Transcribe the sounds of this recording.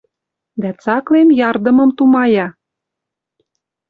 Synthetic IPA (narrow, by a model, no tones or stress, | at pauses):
d̪æt͡sɑklenjɑrd̪ə̆mɤ̆mt̪umɑjɑ